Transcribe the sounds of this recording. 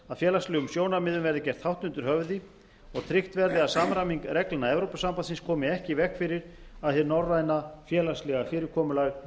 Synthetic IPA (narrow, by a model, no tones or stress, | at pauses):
aðfjɛːlaslʏɣʏmsjoːwnamɪðʏmvɛɾðɪcɛr̥t̪hawht̪ʏnt̪ʏɾ̥hœvðɪ | ɔɣt̪ʰɾɪht̪vɛɾðɪaðsaːmɾamiŋkɾɛklɪnaɛvɾowpʏsampansɪnskʰɔːmɪɛhcɪvɛhkfɪɾɪɾ | aðθɪɾnɔɾraːjnafjɛːlaslɛɣafɪːɾɪɾ̥kʰɔːmʏlaɣ